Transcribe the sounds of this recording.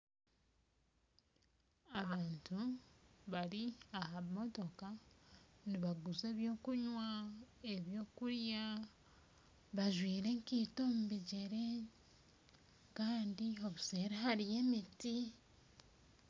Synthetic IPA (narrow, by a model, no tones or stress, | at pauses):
aβaːntuβaɾiaɦamo̞to̞ka | niβaɡuze̞ːβjo̞ːkuɲwae̞βjo̞ːkuɾja | βaʒwiːɾe̞ŋkiːtoːmuβiɟeɾe̞ | kaːndio̞βuse̞ːɾaɦaɾije̞ːmiti